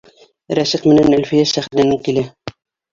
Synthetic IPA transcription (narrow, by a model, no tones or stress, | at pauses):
ɾæsiqmɘ̆nænælfɘjæsæχd̪ænɪkilæ